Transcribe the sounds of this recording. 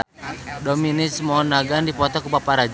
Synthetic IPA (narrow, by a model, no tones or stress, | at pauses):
dɔminɪsmɔnaɡandipɔt̪ɔkubapaɾad͡ʒ